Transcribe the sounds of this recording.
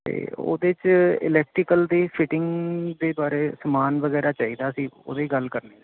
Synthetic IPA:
t̪ḛːo̰ːd̪eːt͡ʃɪ̰lɛːk̚ʈɾɪkəld̪eːpʰɪʈɪŋɡd̪eːbaːɾeːsəmaːnʋəɡɛːɾaːt͡ʃaːiːd̪aːəsĩːo̰ːd̪eːɡəlkəɾneː

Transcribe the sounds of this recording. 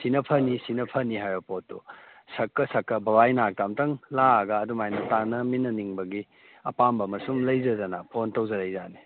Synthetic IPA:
sinɐpʰɐnisinɐpʰɐniɦajopotːu | sɐkːɐsɐkːɐbɐwajnak̚tamtɐŋlaɡɐːdumajnɐtanɐminːɐniŋbɐɡi | ɐ̰pambɐmɐsumlɐjzɐzɐnɐpʰontowzɐɾɐjzani

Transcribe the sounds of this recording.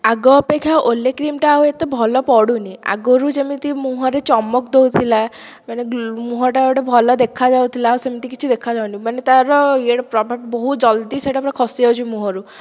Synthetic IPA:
aɡɔpekʰːjaʔolekɾimʈaːɦoet̪ebʱɔlɔpɔɽunia̰ɡɔɾud͡ʒemit̪imuɦɔɾet͡ʃɔmɔk̚d̪owt̪ʰila | manemuɦɔʈ̬aewɽebʱɔlɔd̪ekʰad͡ʒawt̪ʰilaɦosemit̪ikit͡ʃʰid̪ekʰad͡ʒawnimanet̪aɾɔieɽɔpɾɔbʱabibɔɦud͡ʒɔld̪iseʈapɾakʰɔsiawt͡ʃʰimuɦɔɾu

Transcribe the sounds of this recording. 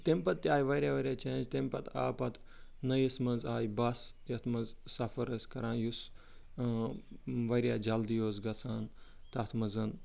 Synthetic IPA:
t̪empɐt̪̚t̪ːiaːjʋɐɾʲjaːʋɐɾʲjaːt͡ʃẽːnd͡ʒt̪empɐt̪a̰ːpɐt̪ | nɐjismɐnzaːjbɐsjɐt̪ʰmɐzsɐfɐɾəsʲkɐɾãːnjus | ʋɐɾʲjaːd͡ʒɐld̪ijoːzɡɐt͡sʰaːnt̪ɐt̪ʰmɐzɐn

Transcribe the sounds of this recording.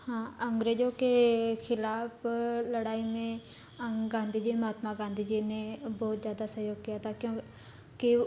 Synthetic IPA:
hãːəŋɡɾeːd͡ʒoːkekʰɪlaːpləɽaːiːmẽː | əɡãːnd̪iːd͡ʒiːmɦaːt̪mãːɡãːnd̪iːd͡ʒineːbɔːt̪zjaːd̪aːsəɦjoːɡ̚kɪjaːt̪ãːkjõː | kɪ

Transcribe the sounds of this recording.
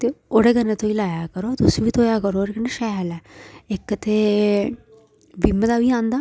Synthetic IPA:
t̪eːoːɽeɡəneːt̪oːilaːjaːkəɾoːt̪ʊsʋiːt̪ʰoːjaːkəɾoːɽeɡəneʃɛɦlɛːɪkːt̪eː | ʋiməd̪aːʋiːãːnd̪aː

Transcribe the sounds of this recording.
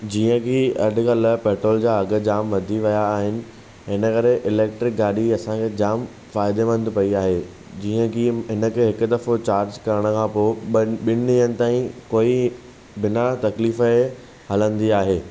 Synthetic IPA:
d͡ʑiːə̃kʰiɐɖ̆ʱkɐlpɛːʈɾoːld͡ʑaːɐɡə̆d͡ʑaːmʋɐd̪ʱiʋɐjaːɦɪnɪ̆ | ɦɪnəkɐɾeʔɪleːk̚ʈɾɪk̚ɡaːɗiɐsãkʰeːd͡ʑaːm | faːɪd̪eʋɐ̃nd̪ʱpɐiaːɦeː | d͡ʑiːə̃kʰiɦɪnə̆kʰeːɦɪkʊ̆d̪ɐfot͡ɕaːɾd͡ʑkɐɾəɽ̃ə̆kʰãːpoːɓɪnɪ̃ɦənɪ̆t̪aːĩkoːi | bɪnat̪ɐkliːfə | hɐlə̃nd̪iaːɦeː

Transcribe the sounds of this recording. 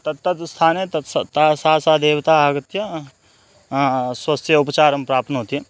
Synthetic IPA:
t̪ɐt̪ːɐt̪st̪ʰaːnet̪ɐst̪asaːsaːd̪eːʋt̪aːaːɡət̪jɐ | swɐst̪ʰjəʊpt͡ʃaːɾɐmpɾaːp̚t̪nɦoːt̪iɦɛː

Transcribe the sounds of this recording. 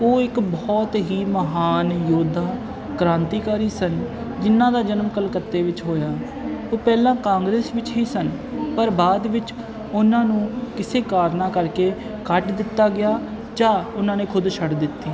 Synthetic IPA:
oːɪkbɔːt̪ɦiːməɦaːnjoːd̪ʱaː | kɾãːnt̪iːkaːɾiːsən | d͡ʒɪnːãːd̪aːd͡ʒənəmkəlkət̪ːeːʋɪt͡ʃɦoːjaː | oːpɛːlãːkãːŋɡɾeːsʋɪt͡ʃɦiːsənpəɾbaːd̪ʋɪt͡ʃ | ʊnãːnũːkɪseːkaːɾnaːkəɾkeː | kəʈd̪ɪt̪ːaːɡɪjaː | d͡ʒãːʊnãːneːkʰʊd̪ʃʰəɽd̪ɪt̪ːiː

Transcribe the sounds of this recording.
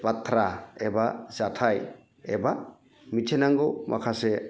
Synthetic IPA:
pat̪ʰːɾaebazatʰaj | eba | mitʰenaŋɡowmʔa̰kʰase

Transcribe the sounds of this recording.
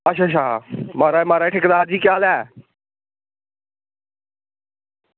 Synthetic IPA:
əʃʰaːt͡ʃʰaːmaːɾaːmaːɾaːʈʰɪkd̪aːɾd͡ʒiːkjaːlɛː

